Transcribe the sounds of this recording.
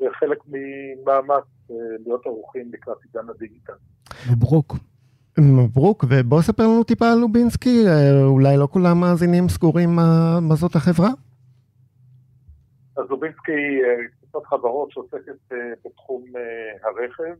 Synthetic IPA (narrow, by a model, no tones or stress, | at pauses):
veχelekmimaːmat͡s | elijot̪aʁuχimlikʁat̪iɡanhadiɡit̪al | bʁuk | bʁukvebo̞esapeʁlanut̪ipaːlubinskieulajlo̞kulamːaːzinimsɡuʁimːamazo̞t̪haχe̞vʁa | azubinskiekvifot̪χavaʁo̞tʃeoseket̚ebetχumehaʁeχev